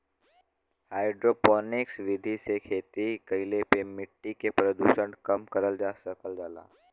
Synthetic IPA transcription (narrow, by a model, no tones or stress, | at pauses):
haːɪɖɾoːpɔːnɪksʋɪd̪ʱisekʰeːt̪ikɐɪlepemɪʈːikepɾəd̪ṵːʃə̃ɳʈkɐmkɐɾəld͡ʒaːsəkəld͡ʒaːla̰ː